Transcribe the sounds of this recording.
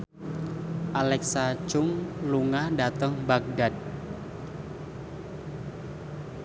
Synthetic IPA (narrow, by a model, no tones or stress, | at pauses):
ʔalɛksat͡ʃʊŋluŋadat̪əŋbak̚dad̪̚